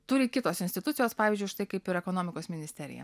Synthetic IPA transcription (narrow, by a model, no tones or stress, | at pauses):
t̪uɾʲɪkʲɪt̪oːsɪnʲsʲt̪ʲɪt̪ʊt̪sʲɪjoːspɑːʋʲiːzʲd͡ʒʲʊɪʃt̪ɐɪkɐɪpɪɾɛkoːnoːmʲɪkoːsmʲɪnʲɪsʲt̪ʲɛɾʲɪ̰jɛ̰